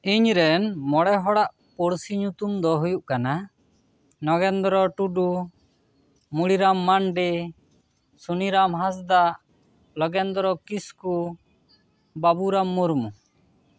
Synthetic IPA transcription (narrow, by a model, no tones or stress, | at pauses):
iɲɾɛnmɔɽɛɦɔɽaʔ | puɽsiɲut̪umd̪ɔɦujuʔkana | nɔɡɛnd̪ɔɾɔʈuɖu | muɽiɾamːanɖi | suniɾamɦãs̬d̪aʔ | lɔɡɛnd̪ɔɾɔkisku | babuɾamːuɾmu